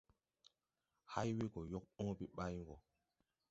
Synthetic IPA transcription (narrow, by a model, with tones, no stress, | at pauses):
ha˦jwe˦ɡɔ˨jɔ˦k̚ɔ̃˦pi˦ɓa˦jɡɔ˨